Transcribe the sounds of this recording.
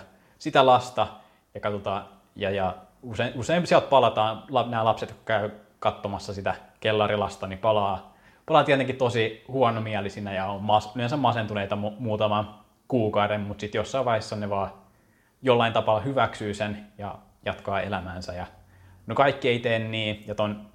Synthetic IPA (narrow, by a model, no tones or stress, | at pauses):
sit̪ælɑst̪ɑ | jokɑt̪ot̪ɑ | jɑjɑ | useiuseimsiælt̪̚pɑlɑt̪ɑːnlɑnæːlɑpset̪jkkæy | kɑt̪ːomɑsːɑsit̪ækelːɑrilɑst̪ɑnipɑlɑː | pɑlɑːt̪iælt̪eŋkit̪osihuonomiælisinːæjɑommɑsyensæmɑsent̪uleit̪ɑmmuːt̪ɑmɑn | kuːkɑuɾemmut̪sit̪josːɑiʋɑihesːɑneʋɑː | jolːɑint̪ɑpɑlːɑhyʋæksyːsenjɑ̰ | jɑt̪kɑːḛlæmæːnsæjɑ | nokɑikːieit̪enːiːjɑt̪on